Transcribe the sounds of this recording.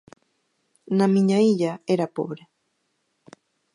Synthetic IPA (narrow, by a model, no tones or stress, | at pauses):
nãmĩɲãijaeɾapo̰βɾe